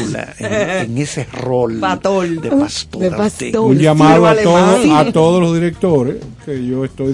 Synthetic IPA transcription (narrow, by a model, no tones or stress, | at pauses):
la̰eeŋeserolaoleast̪epasouɲd͡ʒamãðoat̪oðoat̪o̞ðolozðiɾe̞k̚t̪o̞ɾeskeʝo̞est̪o̞j